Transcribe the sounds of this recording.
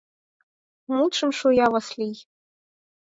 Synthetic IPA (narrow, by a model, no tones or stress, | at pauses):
muʈ͡ʂʰɨmʂojawaslij